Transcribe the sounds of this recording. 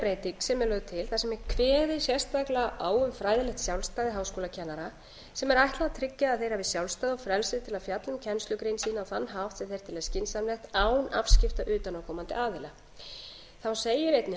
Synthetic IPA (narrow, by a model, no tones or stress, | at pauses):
pɾejt̪iksɛmɛlœɣðt̪ʰɪlθasɛmɛɾkʰvɛːðɪsjɛ̥st̪aklaʔaːwʏmfɾaːjðɪlɛxt̪sjawlst̪aːjðɪɦaːwskoːlacʰɛnːaɾa | sɛmɛɾajht̪laðat̪ʰɾɪcːaːðθejɾ̥havɪsjawlst̪ajðɔfɾɛlsɪt̪ʰɪlaðfjat̪lʏmcʰɛnst̪lʏkɾejnsiːnaɔwθanːɦaft̪sɛθejɾ̥t̪ʰɪlɛscɪnsamlɛxt̪aːwna̰fscɪft̪aʔʏːt̪anawkʰɔːmant̪ɪ̰aːðɪla | θawseːjɪɾejt̪nɪ